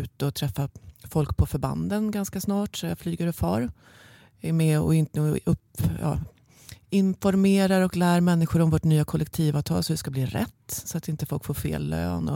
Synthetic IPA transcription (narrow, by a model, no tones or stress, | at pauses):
ʉ̟ːt̪əɔt̪ʰɾɛfːafɔlkpʰɔfœɾba̰nd̪ənɡanskasnɑːʈsɔjaflyːɡəɾɵpfɑːɾ | ɛmɛɔ̰ɪnt̪əɵpjɑ̰ː | ɪnfɔɾmeːɾaɾɔklæːɾmɛnːɪɧʊɾɔmvoːʈnyːakʰɔlɛk̚t̪ʰiːvaːvt̪ʰɑ̰ːlsɔɪskabliːɾɛ̰t̪ːsɔat̪ɪnt̪əfɔlkfoːɾfḛːlːø̰ːnɔ̰